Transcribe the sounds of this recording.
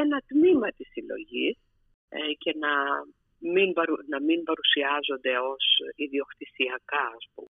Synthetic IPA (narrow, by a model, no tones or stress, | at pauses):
enɐt̪mimɐt̪isilo̞̰ʝis | ce̞nɐ | minbɐɾunɐmimbɐɾusiɐzo̞nd̪e̞o̞siðio̞kt̪isiɐkɐɐspṵme